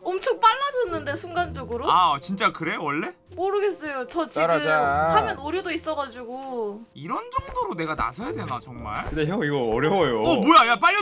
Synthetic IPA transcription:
ʌmt͡ɕʰoŋp͈aɭːad͡ʑʌnːɯnde̞sʰuŋɡand͡ʑʌɡɯɾoat͡ɕint͡ɕ͈akɯɾe̞wʌɭːe̞ | moɾɯɡe̞s͈ʌjot͡ɕʌt͡ɕiahajʌnʌɾjodois͈ʌɣad͡ʑuɡo | iɾʌnd͡ʑʌŋdoɾone̞ɡana̰sʰʌjadwe̞nat͡ɕʌŋma̰ɭɯdeɦeiɡʌʌɾjʌwjoʌmojajap͈aʎːʌ

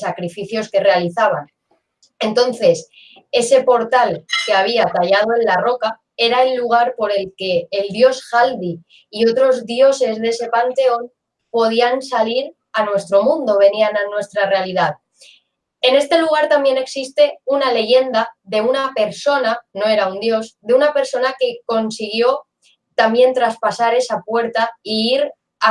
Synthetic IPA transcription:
sakɾifiθjo̞ske̞re̞aliθaβ̞an | e̞nt̪o̞nθe̞s | e̞se̞po̞ɾt̪alke̞aβ̞iat̪aʝað̞o̞e̞nlaro̞ka | e̞ɾaelːuɣ̞aɾpo̞ɾe̞lke̞ːld̪jo̞sxald̪i | io̞t̪ɾo̞zðjo̞se̞zðe̞se̞pant̪e̞o̞n | po̞ð̞iansaliɾ | anwe̞st̪ɾo̞mũnd̪o̞β̞e̞niananwe̞st̪ɾare̞aliðað | e̞ne̞st̪e̞luɣ̞aɾt̪ambje̞ne̞ksist̪e̞unale̞ʝe̞nd̪aðe̞unape̞ɾso̞nano̞e̞ɾaund̪jo̞sðe̞unape̞ɾso̞nake̞ko̞nsiɣ̞jo̞ | t̪ambje̞nt̪ɾaspasaɾe̞sapwe̞ɾt̪aiiɾ | a

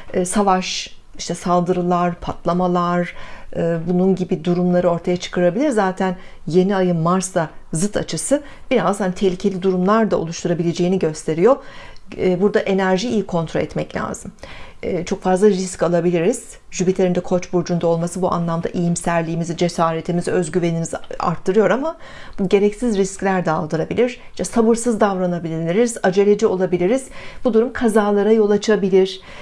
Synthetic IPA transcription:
ɛːsavaʃ | iʃt̪ʰɛsalˠd̪ɯɾɯlˠaɾpʰat̪lˠamalˠaɾɯːbununɟibid̪uɾumlˠaɾɯo̞ɾt̪ʰajat͡ʃʰɯ̥kɯɾabilʲiɾzaːt̪ʰænje̞niajɯnmaɾsazɯt̪ʰa̰t͡ʃʰɯsɯ | b̥iɾazd̪ant̪ʰehlʲicʰelʲid̪uɾumlˠaɾd̪aolˠuʃt̪ʰuɾabilʲe̞d͡ʒe̞jiniɟø̞st̪ʰe̞ɾijo̞ | buɾd̪aʔe̞næɾʒiijikʰo̞nt̪ʰɾoɛt̪mɛclʲa̰ːzɯmːt͡ʃʰo̞kfazlˠaɾiscalˠabilʲiɾiz̥ | ʒybit̪ʰe̞ɾind̪ɛkʰo̞t͡ʃbuɾd͡ʒund̪ao̞lˠmasɯbuʔa̰nlˠamd̪a̰ʔijimsæɾlʲiːmizid͡ʒe̞saːɾe̞t̪ʰimizøzɟyve̞niniza̰ɾt̪ʰːɯɾɯjo̞ɾamabuɟe̞ɾɛcsizɾisclʲæɾd̪alˠd̪ɯɾabilʲiɾ̥iʃɛsabɯɾsɯzd̪avɾanabilʲilʲiɾiz̥ad͡ʒe̞lʲe̞d͡ʒio̞lˠabilʲiɾiz̥bud̪uɾumkʰazaːlˠaɾajo̞lˠat͡ʃʰabilʲiɾ̥

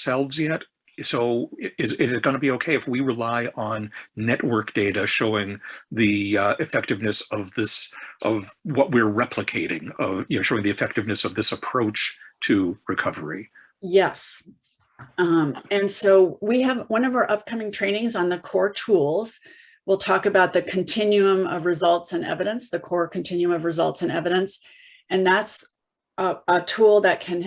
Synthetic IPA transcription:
sɛlˠvzjɛt | soʊɪzɪzɨt̚ɡ̥ʌnəbioʊkʰeɪɨfwiɹɨlaɪʔə̃nːɛʔwɜ˞k̚d̥eɪɾɨʃoʊɪ̃ŋðiʔɨfɛk̚tɨvnɨsʌvðɪsʔʌvwʌt̚wɪɹɹɛpʰləkʰeɪɾɪ̰̃ŋʌvjɨnoʊʃoʊɪ̃ŋðiɨfɛk̚tɨvnɨsʌvðɪsəpʰɹ̥oʊt͡ʃtʰɨɹɨkʰʌvə̰˞ḭ | jɛs | mɨ̃nsoʊwiɨvwʌ̃nʌvə˞ʔʌp̚kʰʌ̃mɪ̃ŋtʰɹ̥ẽɪ̃nɪ̃ŋzn̩ðɨkʰɔɹtʰulˠz̥ | wəlˠtʰɔkɨbaʊt̪̚ðɨkʰɨ̃ntʰɪ̃njʉə̃mʌvɹɨzʌlˠtsɨ̃nɛ̰vɨɾɨ̃nsðɨkʰɔɹkʰɨ̃n̩tʰɪ̃njʉə̃mʌvɹɨzʌ̰lˠtsɨ̃nɛvɨɾɨ̃ns | ɨ̃nðæts | ətʰulˠðɨt̚kʰɨ̃n

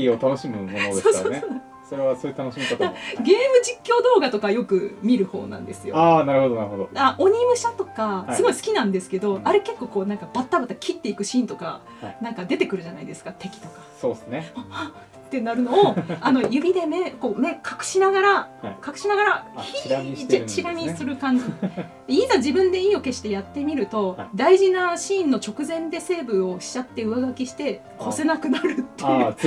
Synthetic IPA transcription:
iot̪ano̞ɕimɯ̟monosd̪oːsoe | so̞ɾe̞βasojiɯt̪anoɕimiat̪ɡe̞ːmɯ̟d͡ʑikʲːo̞ːd̪o̞ːɡat̪o̞kajo̞kɯ̟mʲiɾɯ̟ho̞̰ːnã̰nd̪esɨjoanaɾɯ̟ho̞d̪onaɾɯ̟hod̪oaʔoɲ̟imɯ̟ɕat̪o̞kasɨɡo̞isɨ̥kʲinãnd̪e̞sɨ̥ke̞d̪o̞ʔaɾeke̞kːo̞ːko̞ːnãŋkab̥at̪ːabat̪ːakʲʰit̪ːe̞ikɯ̟ɕĩːnt̪o̞ka̰ | nãŋkad̪e̞t̪e̞kɯ̟ɾɯ̟ʑanaid̪e̞sɨ̥kat̪e̞kʲi̥t̪o̞kḁso̞ːdesɨnea | t̪ːe̞naɾɯ̟no̞ːano̞jɯ̟bʲid̪e̞me̞ko̞ːme̞kʰḁkɯ̟̥ɕinaɡaɾakakɯ̟̥ɕinaɡaɾaçit͡ɕiɾamʲisɨɾɯ̟kãɲ̟d͡ʑid̪eizad͡ʑibɯ̟̃nd̪e̞iːo̞ke̞ɕi̥t̪e̞jat̪ːe̞mʲiɾɯ̟t̪o̞d̪aiʑinaɕĩːnːo̞t͡ɕo̞kɯ̟zẽ̞nd̪e̞se̞ːbɯ̟o̞ɕi̥t͡ɕat̪ːe̞ɯaɡakʲiɕi̥t̪e̞ | ho̞se̞nakɯ̟naɾɯ̟t̪ːeɯ

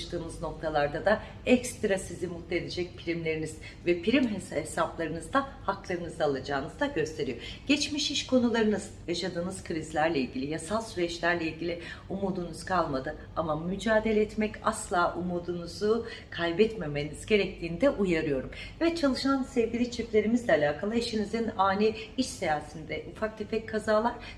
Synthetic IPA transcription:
ʃt̪ʰɯːmɯzno̞k̚t̪ʰalˠaɾd̪ad̪a | ɛcst̪ɾasizimut̪ːed̪ed͡ʒɛc̚pʰiɾimlʲe̞ɾiniz̥ | vɛpʰiɾimɦesɛsaplˠaɾɯnɯzd̪ahaklˠaɾɯnɯzalˠad͡ʒaːnɯzd̪aɟø̞st̪ʰe̞ɾijo̞ɟ̥ɛt͡ʃmiʃiʃkʰo̞nulˠaɾɯnɯzjaʃad̪ɯːnɯz̥kʰɯɾizlʲæɾlʲɛilʲɟilʲijasalˠsyɾɛt͡ʃlʲæɾlʲeilʲɟilʲiumuːd̪unuz̥kʰalˠmad̪ɯ | amamyd͡ʒaːd̪e̞lʲɛːt̪mɛca̰slˠaːʔumuːd̪unuzu | kʰajbɛt̪me̞meniz̥ɟe̞ɾɛc̚t̪ʰiːnd̪ɛʔujaɾɯjo̞ɾumvɛt͡ʃʰalˠɯʃansɛvɟilʲit͡ʃʰøclʲe̞ɾimizlʲɛalʲaːkʰalˠaiʃinizinaːnʲɛiʃsajaːsind̪ɛʔufak̚t̪ʰefɛckʰːazaːlˠaɾ̥

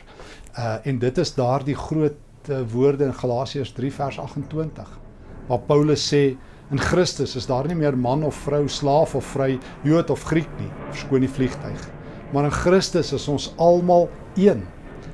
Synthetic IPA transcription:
əɛndətəsdɑːrdiχruət̚ | əvuərdəənχɐlɑːsiəsdrifærsɐχəntwəntəχ | vɑːpəwləsːɛː | ənχrəstəsəsdɑːrnimiərmɐnɔfːrœwslɑːfɔfːrəj | juətɔfχriknifərskuənifliχtœɥχ | mɐɾənχrəstəsəsɔnsɐlˠmɑlˠ | iən

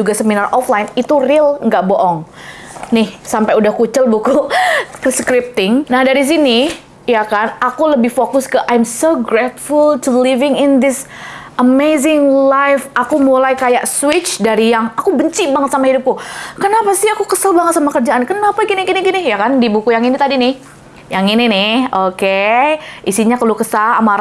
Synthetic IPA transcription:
d͡ʒuɡasəminarʔɔflajnit̪urɪlŋɡaʔboʔɔŋ | nɪhsampajudahkut͡ʃəlbukukskɾɪp̚t̪ɪŋnahdaɾis̬ini | jakanakuləbɪhfokʊskəʔajmsoɡɾɛt̪̚fʊltulɪvɪŋɪnd̪ɪsʔəmezɪŋlajfakumulajkajaʔswɪt͡ʃdaɾijaŋakubəɲt͡ʃibaŋət̪samahidʊp̚kʊkənapasɪakukəsalbaŋət̪samakərd͡ʒaʔankənapaɡiniɡiniɡinɪjakandibukujaŋinit̪adinɪh | jaŋininɪhokeʔisiɲakəlukəsalamaɾ

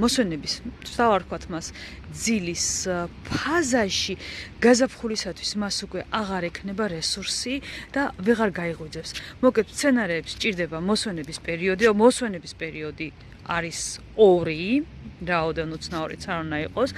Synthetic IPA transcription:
mɔswɛnɛbist̪ʰt̪ʰavaɾt̪kwat̪ʰmas | d̪zilispʰazaʃiɡ̥azapχulisat̪ʰwismasukʼwɛʔaʁaɾɛkʰnɛbaɾɛsuɾsid̪̥avɛʁaɾɡaiʁwid̪zɛpsmɔkʼɛt̪st̪sʰɛnaɾɛːpst͡ʃʼiɾd̪ɛbamɔswɛnɛbispʼɛɾiɔd̪iɔmɔswɛnɛbispʼɛɾiɔd̪i | a̰ɾis | ɔɾi | ɾaɔd̪ɛnut̪sʰnaɔɾḭt̪sʰaɾund̪aiqʼɔs

